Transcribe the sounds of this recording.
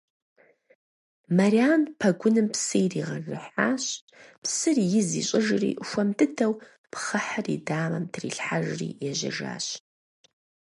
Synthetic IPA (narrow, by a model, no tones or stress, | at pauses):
mariaːnpʰɐɡʷʊnɨmpsɨjriːʁɐrɨħaːɕ | psɨrjɪzḭːɕʼɪʒɨrḭːxʷɐmtʰɨtʰɐw | pʰχɐħərḭdaːmɐmtʰrḭːɬħaʒrḭːjɛʒɐ̰ʒa̰ːɕ